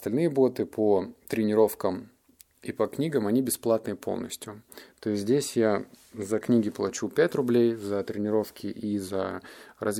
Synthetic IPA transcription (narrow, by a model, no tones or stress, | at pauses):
st̪ɐlʲnɨjəbot̪ɨpʰot̪ɾʲɪnʲɪɾo̞fkəm | ipɐknʲiɡəmɐnʲibʲɪsplˠat̪nɨpʰo̞̰lˠnə̰sʲtʲjʊt̪o̞ɪsʲzʲdʲesʲja | zɐknʲiɡʲɪplˠɐt͡ɕupʲætʲrʊblʲejzɐt̪ɾʲɪnʲɪɾo̞fkʲɪʔizərɐz